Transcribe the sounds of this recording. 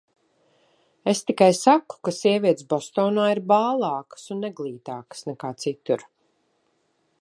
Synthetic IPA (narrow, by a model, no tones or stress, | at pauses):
est̪ikajsaku̥kasiɛvʲiɛt̪sbɔst̪ɔːnaːiɾbaːlˠɑːkə̥sunːɛɡlˠiːt̪aːkə̥snɛkaːt̪sit̪uɾ